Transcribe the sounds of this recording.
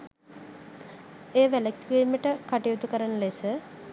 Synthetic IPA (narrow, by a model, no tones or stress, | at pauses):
eːʋæləkiːməʈəkaʈijut̪ukəɾanəlesə